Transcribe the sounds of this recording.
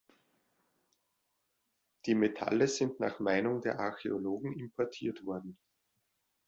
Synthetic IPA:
d̥iːmetʰa̰ləz̥ɪntna̰ːχmaɪnʊŋdeːɐʔaɐçḛoloːɡŋ̩ɪmpʰɔɐtʰiːɐtv̥ɔɐdn̩

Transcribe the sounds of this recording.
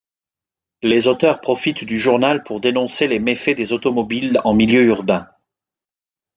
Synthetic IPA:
lezot̪œʁpχɔfit̪d̪yʒuʁnalpʰuʁd̪enɔ̃selemefed̪ezot̪ɔmɔbilɑ̃miljøyʁbɛ̃

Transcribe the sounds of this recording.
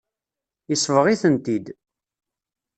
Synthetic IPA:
isˤvəʁiθənt̪id̪

